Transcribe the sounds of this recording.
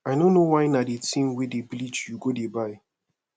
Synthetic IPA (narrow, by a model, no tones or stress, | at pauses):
ajnõnːowaɪnadetʰĩmwedeblit͡ʃjuɡodebaɪ